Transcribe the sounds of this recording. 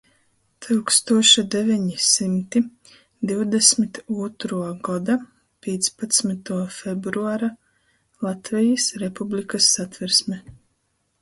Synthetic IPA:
t̪ʰɨwkst̪uɔʃad̪ɛvʲɛɲisimt̪i | d̪iwd̪ɛsmit̪uɔt̪ɾuɔɡɔd̪a | pʲiːt̪spat̪smit̪uɔfebɾuaɾa | lˠat̪vɛjisɾepublʲikasːat̪vɛɾsmɛ

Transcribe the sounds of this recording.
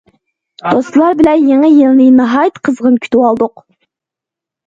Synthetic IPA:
d̪̥ost̪lˠɑɾbɪlɛnjeŋɛjelnɪnɑɦɑjt̪qʰəzʁənkʲʰy̥t̪ʰɪwɑlˠd̪ʊq

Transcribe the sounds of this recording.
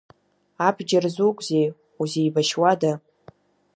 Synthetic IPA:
abʰd͡ʒarzukʷʼzej | uzejbaʃwada

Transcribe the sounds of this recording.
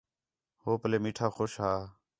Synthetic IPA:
ɦoːpəleːmiːʈʰaːxoːʃɦaː

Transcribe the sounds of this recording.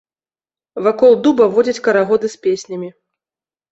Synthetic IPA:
vakɔlˠd̪ubɐvɔd͡zʲɐt͡sʲkɐɾaɣɔd̪ɨsʲpʲesʲnʲɐmʲi

